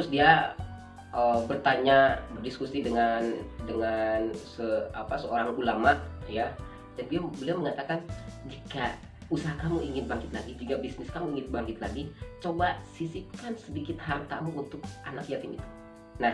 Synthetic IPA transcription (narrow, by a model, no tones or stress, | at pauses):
t̪ɾʊsdia | ʔəbərt̪aɲabərdiskusidəŋandəŋansəapasəoɾaŋulamaʔja | d͡ʒanbiabəliaməŋat̪akand͡ʒika | usaɦakamuiŋɪt̪̚baŋkɪt̪̚laɡid͡ʒuŋɡabisnɪskamuiŋɪt̪̚baŋkɪt̪̚laɡit͡ʃobasisikansədikɪt̪hart̪amuunt̪ʊk̚ʔanakjat̪ɪmḭt̪u̥ | nah